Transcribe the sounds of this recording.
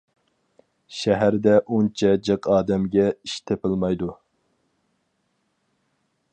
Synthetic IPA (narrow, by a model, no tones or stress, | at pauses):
ʃɛɦæɾd̪ɛʔunt͡ʃʰɛd͡ʒəqʰɑːd̪ɛmɡʲɛiʃt̪ʰepʰɨlˠmɑjd̪u